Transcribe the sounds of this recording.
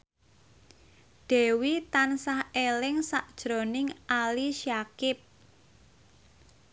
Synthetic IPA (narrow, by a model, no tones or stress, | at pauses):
d̪̥ɛ̤wit̪ansahelɪŋsaʔd̥ʒ̥ɾo̤nɪŋʔaliʃjakɪp̚